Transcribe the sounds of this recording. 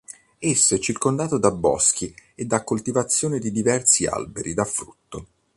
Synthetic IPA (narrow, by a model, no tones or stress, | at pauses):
esːoɛt͡ʃːirkond̪aːt̪od̪abːɔ̰sk̟ied̪ːakːolt̪ivat̪sːjoːned̪id̪ivɛrsia̰lbḛɾid̪afɾut̪ːo